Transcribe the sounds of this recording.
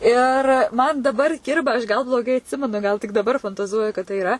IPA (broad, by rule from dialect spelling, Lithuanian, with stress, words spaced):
ˈɪr ˈmɐn dɐˈbɐr ˈkʲɪrbɐ ɐʃ ɡɐlˠ blˠoːˈɡɐɪ ɐtʲˈsʲɪmʲɛnʊ ɡɐlˠ tʲɪk dɐˈbɐr fɐntɐˈzuɔjʊ kɐt tɐɪ ɪˈrɐ